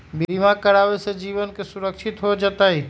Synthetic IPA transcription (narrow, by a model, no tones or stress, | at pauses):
bimakəɾaːʋesed͡ʒiːʋənkesʊɾəkʃʰɪt̪ɦod͡ʒat̪aɦi